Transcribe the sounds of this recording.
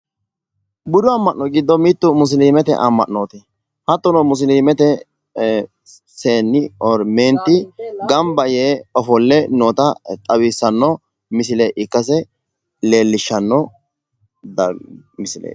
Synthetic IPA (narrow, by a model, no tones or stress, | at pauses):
bʊd̪ʊɐmːɐnːɔɡɪd̪ːɔmiːt̪ːʊmʊs̬liːmɛt̪ɛ̰ʔɐ̰mːɐ̰ʔnoːt̪ɛ | hɐt̪ːɔnɔmʊs̬liːmɛt̪ɛ | seːnːɪɔɾmeːnt̪ːɪɡɐmbɐjeːɔfɔlːɛnoːt̪ɐt̪ʼɐwiːsːɐnːɔ | mɪsɪleʔɪkːɐs̬ɛ | leːlːɪʃːɐnːɔ | d̪ɐmɪsɪlɛ̰ː